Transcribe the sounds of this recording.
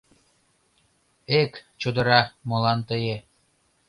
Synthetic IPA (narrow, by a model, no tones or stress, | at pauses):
ekt͡ɕod̪ɤ̆ɾɑmolɑnt̪əje